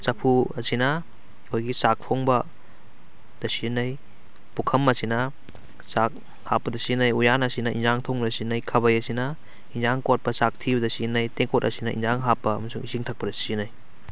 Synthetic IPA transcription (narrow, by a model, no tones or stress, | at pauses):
sɐpʰuɐsinɐ | kʰojɡisak̚pʰoŋbɐ | d̥ɐsinɐj | pukʰɐmɐsinɐ | sak̚ | hapːɐdɐsinajujanɐsinɐʔḭnzaŋtʰoŋbdɐsinɐjkʰɐbɐjɐsinɐ | inzaŋkot̚pɐsak̚tʰibɐdɐsinajteŋkotɐ̰sinɐʔḭnzaŋɦapːɐːmɐsuŋisiŋtʰɐk̚pɐdɐsinɐj